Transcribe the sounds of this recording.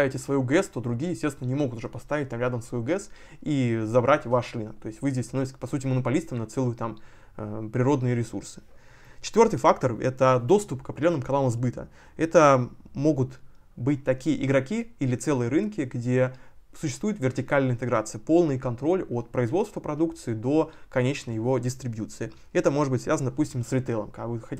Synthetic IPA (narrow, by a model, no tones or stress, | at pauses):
avʲɪtʲɪsvɐjuɡɛst̪o̞d̪ɾʊɡʲijəjɪsʲtʲest̪vʲɪnənʲɪmo̞ɡʊt̪ʊʐɛpɐst̪avʲɪt̚ʲt̪amɾʲad̪əmsvɐjuɡɛs | izɐbɾʔatʲvaʂrɨnək̚t̪o̞ɪsʲtʲvɨzʲdʲesʲt̪ɐnoɪtʲsʲəəpɐsutʲɪmənəpɐlʲist̪əmnɐt̪sɛlˠʊjʊt̪am | pɾʲɪɾo̞d̪nɨjəɾʲɪsṵrsɨ̥ | t͡ɕɪ̥t̪vʲo̞rt̪ɨjfakt̪ərɛ̰t̪əd̪o̞st̪ʊpkəpɾʲdʲɪlʲonːəmkɐnalˠəmzbɨt̪ə̰ | ɛt̪əmo̞ɡʊt̪ | bɨt̚ʲt̪ɐkʲijəʔɪɡɾɐkʲiilʲɪt̪sɛlˠɨjəɾɨnkʲɪɡdʲesʊɕːɪst̪vujɪt̪vʲɪrtʲɪkalʲnəɪnt̪ɨɡɾat̪sɨjəpo̞lˠnɨjkɐnt̪ɾo̞lʲo̞t̪̚pɾəɪzvo̞t̪st̪vəpɾɐd̪ukt̪sɨɪd̪o̞kɐnʲet͡ɕnəjːɪvo̞dʲɪst̪ɾʲɪbjut̪sɨɪ | ɛt̪əmo̞ʐɨd̪bɨtʲsvʲazənəd̪ɐpusʲtʲɪmsɾʲɪt̪ɛlˠəmkakvɨxɐ